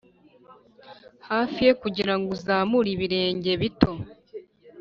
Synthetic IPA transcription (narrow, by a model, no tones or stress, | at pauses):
haːfije̞kuɟiɾaŋɡuzaːmuɾiβiɾe̞ːɲɟe̞βito̞